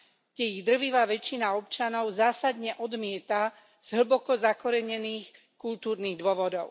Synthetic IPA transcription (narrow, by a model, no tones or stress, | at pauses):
ɡɟɛjiɣd̪r̩ʋiʋaːʋɛt͡ʃinaɔp̚t͡ʃanɔʊzaːsad̪ɲɛʔɔd̪mɪɛt̪a | z̥ɦɭ̩bɔkɔzakɔɾɛɲɛniːx | kult̪uːɾniːɣd̪ʊɔʋɔd̪ɔʊ